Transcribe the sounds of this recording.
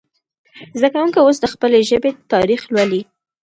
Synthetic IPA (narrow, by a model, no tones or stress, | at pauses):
zd̪akawuŋkaosd̪əxpəleʒəbet̪ɑɾixlwali